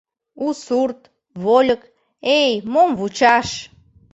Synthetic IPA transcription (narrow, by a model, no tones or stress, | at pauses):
usurt̪ | βolʲə̆k | ejmomvut͡ɕɑʃ